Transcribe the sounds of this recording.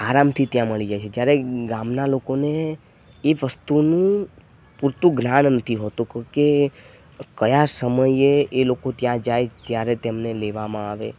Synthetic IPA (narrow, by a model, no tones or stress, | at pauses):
aɾamt̪ʰit̪jãməɭid͡ʒajt͡ʃʰed͡ʒjaɾeɡamnalokoneː | ʋəst̪unũ | puɾt̪ũɡnannət̪ʰiɦot̪ũkke | kəjasəməjeelokot̪jãd͡ʒajt̪jaɾet̪emneleʋamãaʋe